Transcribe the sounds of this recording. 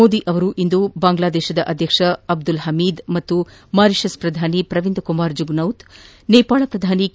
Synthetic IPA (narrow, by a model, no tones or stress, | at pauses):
oːd̪iʔɐʋɐɾuʔind̪ubaːŋɡlaːd̪ɛːʃɐd̪ɐʔɐd̪ʱjɐkʂɐɐb̚d̪ulɦɐmiːd̪mɐt̪ːu | maːɾiʃɐspɾɐd̪ʱaːnipɾɐʋind̪kumaːɾd͡ʒuɡnɐwt̪ | neːpaːɭɐpɾɐd̪ʱaːni